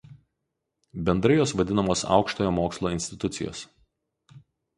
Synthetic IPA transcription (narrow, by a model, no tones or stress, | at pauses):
bʲɛnd̪ɾɐjoːsʋɐd̪ʲɪnɐmoːsɑ̰ˑʊkʃt̪oːjoːmoːkslˠoːɪnʲsʲt̪ʲɪt̪ʊt̪sʲɪjo̰ːs